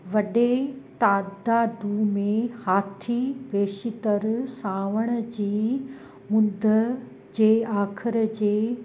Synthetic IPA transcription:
ʋɐɗet̪aːd̪aːd̪umẽhaːt̪ʰipeːʃɪt̪əɾsaːʋəɽ̃ə̆d͡ʑiː | ʊ̃nd̪ʱə | d͡ʑeːaːkʰɪɾəd͡ʑeː

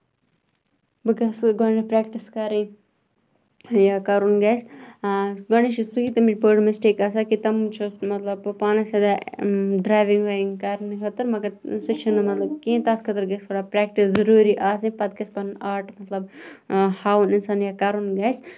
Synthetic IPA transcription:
bɨɡɐsɡonɐpɾaːkʈiskɐɾĩ | jaːkɐɾunɡaːs | ɡonit͡ʃʰisukit̪ɐmit͡ʃpəːɽmɐsʈeːkaːsaːkit̪ɐmt͡ʃʰumɐt̪lɐbpaːnɐsɐd̪aɖɾaːjʋiŋɡʋɐːiŋkɐɾnikʰɐt̪ɨɾmɐɡɐɾsɨt͡ʃʰinɨmɐt̪lɐbkẽːt̪aːt̪kʰɐt̪ɨɾɡɐskɐɽapɾɛːk̚ʈiszɐɾuːɾiʔaːsĩpɐt̪̚kɐspɐnaːʈmɐt̪lɐb | haːwunɪnsaːnjaːkɐɾunɡaːs

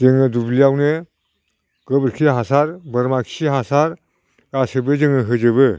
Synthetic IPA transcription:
zɯŋɯdublijawnɯ | ɡ̥ɯbɾkʰiɦasaɾbɯɾmakʰsiɦasaɾ | ɡasɯbɯzɯŋɯɦɯd͡ʒɯbɯ

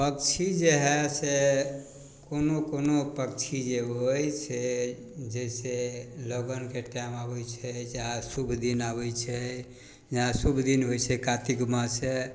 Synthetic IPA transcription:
pəkt͡ʃʰid͡ʒeɦɛse | konokonopəkt͡ʃʰid͡ʒeɦojse | d͡ʒɛseloɡənkeʈamabɛjt͡ʃʰɛd͡ʒaɦãsubʱd̪inabɛjt͡ʃʰɛ | d͡ʒaãsubʱd̪inɦojt͡ʃʰɛkat̪iɡmase

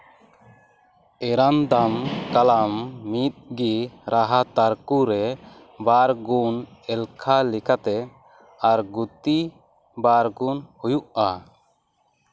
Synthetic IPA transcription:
ɛɾand̪amkalamːit̪̚ɡiɾʔaɦat̪aɾkuɾɛ | baɾɡunɛlkʰalikat̪ɛ | aɾɡut̪i | baɾɡunhujuʔa

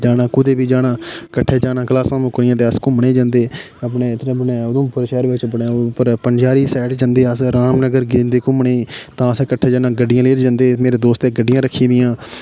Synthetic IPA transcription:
d͡ʒaːnãːkʊd̪eːbiːd͡ʒaːnaːkəʈʰːeːd͡ʒaːnãːkəlaːsãːmʊkɾɪjãːt̪eːəskʊ̃ːməɳeːd͡ʒãːnd̪eː | əpneːt̪ːbnẽːod̪õːpəɾʃɛːɾʋɪt͡ʃbəɳepəɾpənd͡ʒaːɾiːsɛːʈd͡ʒãːnd̪eːəsɾaːmnəɡəɾɡeːnd̪eːkõːməɳeːt̪ãːəsɛ̃ːkəʈʰːeːd͡ʒaːnãːɡəɖɪjãːleːɾd͡ʒãːnd̪eːmeːɾeːd̪oːst̪eːɡəɖɪjãːɾəkʰːiːd̪ɪjãː

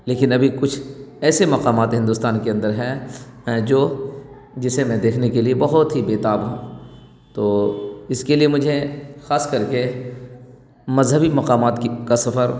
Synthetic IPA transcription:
leːkɪnɐbʱikʊt͡ʃʰɛːsemɐqaːmaːt̪ɦɪ̃nd̪uːst̪aːnkeɐ̃nd̪əɾɦɛ | d͡ʒoː | d͡ʒɪsemɛ̃d̪eːkʰnekeliebɐɦʊt̪ɦibeːt̪aːbɦũː | t̪oːɪskeliemʊd͡ʒʱexaːskɐɾke | mɐzɦəbimɐqaːmaːt̪kasɐfəɾ

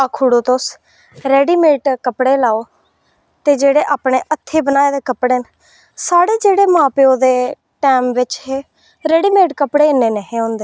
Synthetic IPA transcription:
akʰuːɽoːt̪os | ɾɛːɖiːmeːʈkəpɽeːlaːoː | t̪eːd͡ʒeːɽeːʔaːpɳeːʔət̪ʰːeːbənaːeːd̪eːkəpɽeːn | saːɽeːd͡ʒeːɽeːmãːpeoːd̪eː | ʈɛːmʋɪt͡ʃɦeː | ɾɛːɖiːmeːʈkəpɽeːɪnːeːneɦẽːɔ̃ːnd̪eː

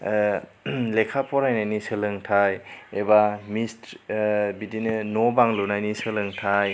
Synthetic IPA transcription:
lekʰapɔɾajnajnisɯlɯŋtʰajebamist | bidinɯnɔbaŋlunajnisɯlɯŋtʰaj

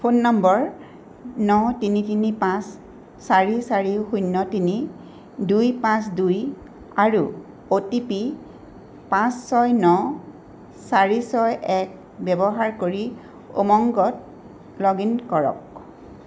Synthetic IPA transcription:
pʰonːɔmbɔɹ | nɔtinitinipãsː | aɹisaɹixujnːɔtini | dujpãsduj | aɹu | otipi | pãsːɔjnɔ | saɹisɔjʔɛk̚ | bɛbɔɦaɹkoɹi | o̰mɔŋɡɔt̚ | lɔɡinkɔɹɔ̰k̚

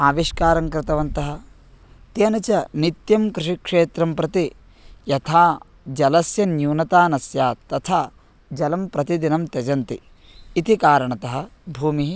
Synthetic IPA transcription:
aːʋiʃkaːɾɐŋkɾɪt̪ɐʋɐnt̪ɐɦɐ̆ | t̪eːnɐt͡ʃɐnit̪jɐmkɾɪʂikʂeːt̪ɾɐmpɾɐt̪i | jɐt̪ʰaː | d͡ʒɐlɐsjɐnjuːnɐt̪aːnɐsjaːt̪ɐt̪ʰaː | d͡ʒɐlɐmpɾɐt̪id̪inɐmt̪ed͡ʒɐnt̪iː | t̪ikaːɾɐɳɐt̪ɐɦɐ̆bʱuːmiɦi

